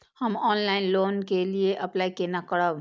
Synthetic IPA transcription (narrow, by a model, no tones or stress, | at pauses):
həmɔnlaɪnlonkelieʔəplaikenakəɽəb